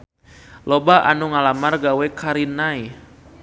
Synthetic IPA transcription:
lɔbaʔa̰nuŋalamarɡawɛkaɾinai

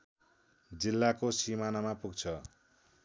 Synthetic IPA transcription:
d͡zilːakosimanamapuɡt͡sʰʌ

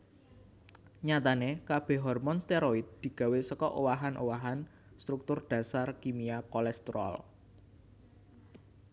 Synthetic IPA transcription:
ɲat̪anekab̥ɛ̤ɦɔrmɔnst̪eɾɔid̪̚d̪̥i̤ɡ̥ä̤wesəkɔʔowaɦanʔowaɦan | st̪ɾuk̚t̪ʊrd̪̥ä̤sarkimiakɔlɛst̪ɾɔ̰l

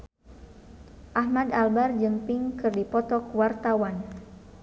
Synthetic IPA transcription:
ʔahmadalbard͡ʒəmpɪŋkɨrdipɔt̪ɔkwart̪awan

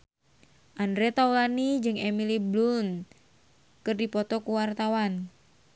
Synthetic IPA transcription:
ʔandɾɛt̪aulanid͡ʒɨŋemiliblun | kɨrdipɔt̪ɔkuwart̪awan

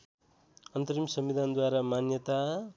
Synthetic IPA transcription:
ʌnt̪ʌɾimsʌmbid̪ʱand̪waɾamanjʌt̪a

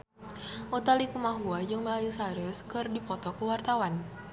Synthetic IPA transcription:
ʔot̪alikumaɦuad͡ʒɨŋməlalisaɾəskɨrdipɔt̪ɔkəwart̪awan

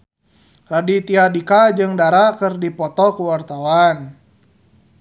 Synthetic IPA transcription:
radit̪iadikad͡ʒɨŋdaɾakərdipɔt̪ɔkuwart̪awan

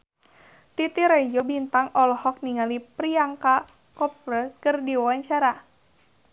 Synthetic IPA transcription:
t̪it̪iɾɛjobint̪aŋɔlɔhɔk̚niŋalipɾiaŋka | kɔp̚ɾəkərdiwaɲt͡ʃaɾa

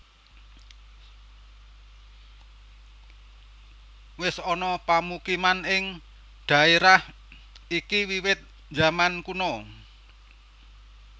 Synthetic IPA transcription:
wɪsɔnɔpamukimanɪŋ | ɖ̪̥a̤eɾah | ʔikiwiwɪt̪̚ | d͡ʒamankunɔ

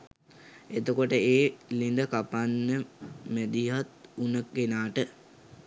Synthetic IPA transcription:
et̪okoʈəeːlind̪əkapanːəmæd̪iat̪unəɡenaːʈə

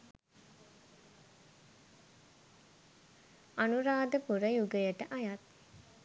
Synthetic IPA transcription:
anuɾaːd̪əpuɾəjuɡəjəʈəʔajat̪̚

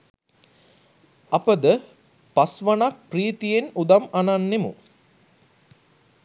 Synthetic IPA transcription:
ɐpəd̪ə | pasʋanak̚priːt̪ijenud̪amananːemṵ

